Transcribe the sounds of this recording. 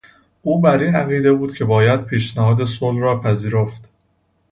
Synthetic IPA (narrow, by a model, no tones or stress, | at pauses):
ʔuːbæɾiːæɣiːd̪e̞buːd̪̥cʰe̞bɒːjæd̪̥̚pʰiːʃnæhɒːd̪e̞solrɒːpʰæziːɾoft̪